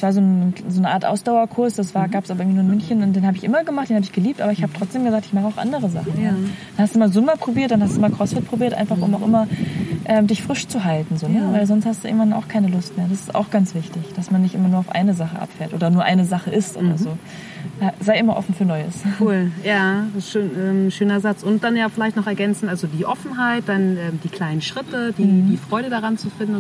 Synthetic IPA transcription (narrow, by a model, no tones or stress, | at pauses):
sv̥aːɐzoːnzoːnəʔaːɐtʔa̰ʊsd̥aʊɐkʰʊɐsd̥asv̥aːɐɡaːpəsʔabɐɪɡŋvinuːɐɪnmʏnçənʊntdeːnhaːbəɪçʔɪmɐɡəmaχtd̥eːnhaːbɪçɡ̥əliːptʔaːbɐɪçhaːbə̥tʁ̥ɔt͡sd̥eːmɡəzaːk̚tɪçmaχəaʊxʔa̰ndəʁəza̰χ̩n̩jaːdanhastuːɪmalzʊmɐpʁ̥obiːɐt̚d̥anhastd̥uːʔɪmakʁ̥ɔsfɪt̚pʁ̥obiːɐtʔa̰ɪnfaχʔʊ̰maʊxʔɪmɐʔɛːmdɪçfʁ̥ɪʃt͡suɦaltn̩zoːnəvaɪlzɔnsthastd̥uːɪ̰ɡŋ̩tv̥ana̰ʊxkʰaɪnəlʊst̚meːɐdasɪ̥sta̰ʊxɡ̥ant͡sv̥ɪçtɪçd̥asmanːɪçtʔɪmɐnuɐaʊfʔa̰ɪnəzaχəʔa̰pfɛːɐtʔoːdɐnuːɐʔa̰ɪnəzaχəʔɪstʔo̰ːdɐzoː | ʔɛzaɪʔɪmɐʔɔ̰fn̩fyːɐnɔʏəskuːljaːʃøːnʔɛːmʃøːnɐzat͡sʊntd̥anjaːfɪlaɪçtnɔχɛɐɡɛnt͡sn̩talzodiːʔɔfn̩ɦaɪt̚d̥anʔɛːmdiːkʰl̥aɪnənʃʁ̥ɪtəd̥iːiːfʁ̥ɔʏɾədaʁant͡sufɪndn